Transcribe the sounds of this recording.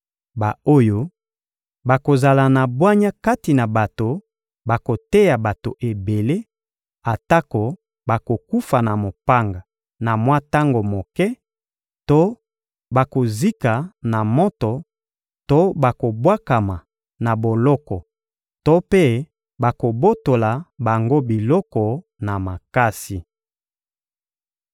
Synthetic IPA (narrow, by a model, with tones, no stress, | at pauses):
ba˨o˦jo˦ | ba˨ko˨za˨la˨na˨bwa˦ɲa˦ka˦ti˨na˨ba˨to˨ | ba˨ko˨tɛ˦ja˨ba˨to˨ʔe˨be˨le˦ | a˨ta˦ko˨ | ba˨ko˨ku˦fa˨na˨mo˨pa˦ŋɡa˨ | na˨mwa˦ta˦ŋɡo˨mo˨kɛ˦ | to˦ | ba˨ko˨zi˦ka˨na˨mɔ˦tɔ˨ | to˦ba˨ko˨bwa˦ka˨ma˨ | na˨bo˨lɔ˦kɔ˨ | to˦pe˦ | ba˨ko˨bo˦to˨la˨ba˨ŋɡo˦bi˨lɔ˦kɔ˨ | na˨ma˨ka˦si˨